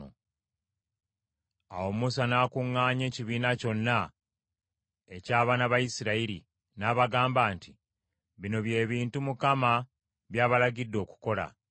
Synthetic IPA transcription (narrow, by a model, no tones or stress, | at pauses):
o̰ | a̰wo̞musanaːkuŋːaːɲe̞ːciβiːnaco̞nːa | e̞caːβaːnaβajisiɾaiɾḭ | naβaɡaːmbaːnti | βino̞βje̞ːβiːntumukama | βjaːβalaɟidːo̞ːku̥ko̞la̰